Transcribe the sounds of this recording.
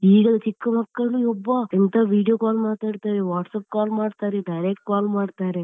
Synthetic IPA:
iːɡɐt͡ʃikːɐmɐkːɐɭuɔbːɐent̪aʋiːɽijoːkaːlmaːt̪aːɽt̪aːʋeʋaːʈsɐːp̚kaːlmaːɽt̪aːɾeɖɐjɾek̚ʈkaːlmaːɖt̪aːɾe

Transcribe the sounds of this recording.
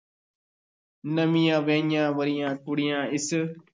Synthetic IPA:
nəmijãːʋẽːɲãːʋəɾijãːʈʊɽɪjãːɪs

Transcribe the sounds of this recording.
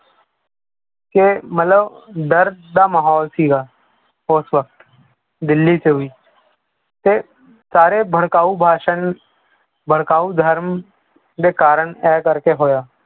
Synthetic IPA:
kemət̪ləbɖ̪əɾd̪amaːɦɔːlsiːɡaː | ʊsʋək̚t̪ | d̪ɪlːiseɦʊiː | t̪e | saːɾebʱəɽkaːubʱaːʃən | bʱəɽ̤kaːud̪ʱəɾm | d̪ekaːɾəɳ̃ɛːkəɾkeɦoːjaː

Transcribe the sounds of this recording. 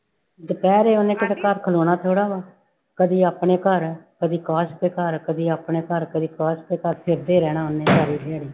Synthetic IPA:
d͡ʒ̪əpɛːɾeːʊnːẽːkəd̪ekəɾkʰəloːɽaːt̪ʰoːɽaːbaː | kəd̪iːaːpɳeːkəɾkəd̪iːkaːʃt̪eːkəɾkəd̪iːaːpɳeːkəɾkəd̪iːkaːʃt̪eːkəɾpʰɪɾd̪eːɾɛːɽ̃aːʊnːeːd͡ʒaːɾiːɾeaːɽiː

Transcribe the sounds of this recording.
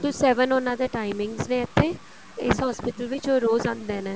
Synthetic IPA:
d̪uːsɛːʋənʊnãːd̪eːʈaːɪmɪ̃ŋɡznẽːət̪ʰːeː | ɪsɦɔːspɪʈəlʋɪt͡ʃoːɾoːzãnd̪eːneː

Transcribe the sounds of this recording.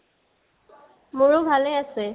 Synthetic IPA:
mʊɹobʱaleasɛ

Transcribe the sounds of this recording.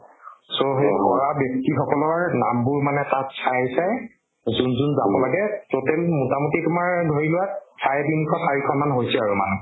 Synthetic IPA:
soɦejkɔ̰ɹabjɔk̚tixɔkɔlɔɹna̰mbʊɹmanɛtatsajsaj | zunzunzabɔlaɡɛtotɛlmutamutitumaɹdʱoɹilʊwattʰajbinikʰɔsaɹikʰɔnmanɦojsɛaɹuma̰nu

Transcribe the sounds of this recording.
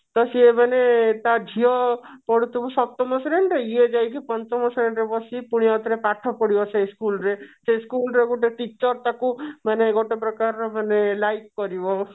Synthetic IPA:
t̪ɔsiemanet̪ad͡ʒʱiɔpɔɽut̪ʰubɔsɔt̪ɔmɔseɾeɳɖɾeied͡ʒajkipɔnt̪ɔmɔseɾeɳɖɾebɔsipuɽ̃ijɔt̪ɾepaʈʰɔpɔɽibɔsʰejskulɾeseskulɾeɡuʈeʈit͡ʃɔɾt̪akumaneɡɔʈepɾɔkaɾɔmanelajkːɔɾibɔ

